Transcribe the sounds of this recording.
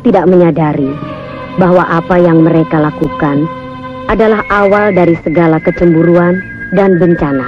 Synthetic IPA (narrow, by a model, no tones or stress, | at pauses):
t̪idaʔməɲadaɾi | baɦwaʔapajaŋməɾekalakukan | ʔadalaɦawaldaɾisəɡalakət͡ʃəmbuɾuan | danbəɲt͡ʃana